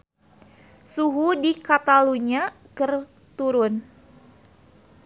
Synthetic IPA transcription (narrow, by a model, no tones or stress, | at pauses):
suɦudikat̪aluɲa | kɨr | t̪uɾʊn